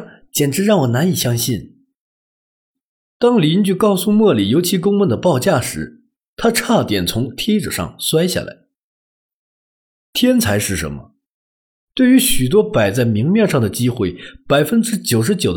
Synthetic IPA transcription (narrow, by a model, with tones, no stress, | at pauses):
t͡ɕjɛ˨˩nʈ͡ʂɻ̩˧˥ɻɑ˥˩ŋwɔ˨˩na˧˥ni˨˩ɕjɑ˥ŋɕi˥˩n | t̪ɑ˥ŋli˧˥nt͡ɕy˥˧kɑ˥˧ʊsu˥˧mwɔ˥˩li˨˩jo˧˥ʊt͡ɕʰi˧˥kʊ˥ŋwə˥˩nd̪ə˩pɑ˥˧ʊt͡ɕja˥˩ʂɻ̩˧˥ | t̪ʰa˥ʈ͡ʂʰa˥˩t̪jɛ˨˩nt͡sʰʊ˧˥ŋt̪ʰjɛ˥ɪʈ͡ʂɤ̰˨˩ʂɑ̰˥˧ŋswa˥ɪɕja̰˥˩lʔa̰˧˥ɪ | t̪ʰjɛ˥nt͡sʰa˧˥ɪʂɻ̩˥˩ʂə̰˧˥nmə̰˧ | t̪we˥˩ɪy˧˥ɕy˨˩t̪̬wɔ˥pa˨˩ɪt͡sa˥˩ɪmi˧˥ŋmjɛ˥˧nʂɑ˥˩ŋd̪ə˩t͡ɕi˥xwe˥˩ɪpa˨˩ɪfə˥nʈ͡ʂɻ̩˥t͡ɕjo˨˩ʊʂ̬ɻ̩˧˥t͡ɕjo˨˩ʊd̪